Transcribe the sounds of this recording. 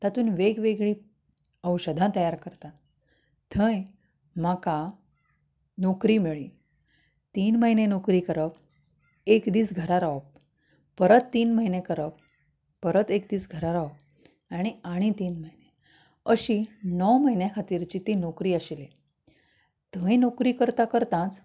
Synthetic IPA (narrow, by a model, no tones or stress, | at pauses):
t̪at̪uːnʋeɡʋeɡɭiː | əwɕəd̪ʱãt̪əjaɾkəɾt̪a | t̪ʰə̃j | m̤aka | nokɾiːmeɭiː | t̪iːnməɦinenokɾiːkəɾəp | ekd̪iːt͡sɡʱəɾaɾaʋəpː | əɾət̪ːiːnməɦinekəɾəpː | əɾət̪ekd̪iːt͡sɡʱəɾaɾaʋəp̚ | aɽ̃iaɽ̃it̪iːnməɦine | əɕiːnəwməɦinjakʰat̪iːɾt͡ɕit̪inokɾiːəɕile | t̪ʰə̃jnokɾiːkəɾt̪akəɾt̪ãt͡s